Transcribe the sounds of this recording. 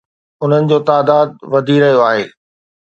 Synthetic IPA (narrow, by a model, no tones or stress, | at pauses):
ʊn̤ənɪ̆d͡ʑoːt̪aːd̪aːd̪̚ʋɐd̪ʱiɾɐɦijoaːɦeː